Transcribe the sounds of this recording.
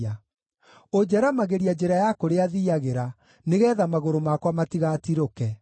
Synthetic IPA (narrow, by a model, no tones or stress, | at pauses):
a | od͡ʑɛɾamaɣeɾiad͡ʑeɾajakoɾeaðiaɣeɾa | neɣɛːðamaɣoɾomakwamatiɣatiɾokɛ